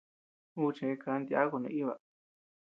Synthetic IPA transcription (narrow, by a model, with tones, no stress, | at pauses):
u˦t͡ʃẽ˧ka˧nd̪ja̰˦ku˧nũ˧i˦βa̰˨